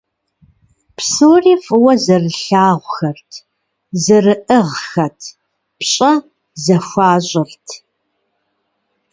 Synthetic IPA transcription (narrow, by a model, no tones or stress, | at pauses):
psoːriːfʼɨwɐzɐrɨɬaːʁʷxɐrtʰ | zɨrɨʔəʁxɐtʰ | pɕʼɐ | zɐxʷaːɕʼɪrtʰ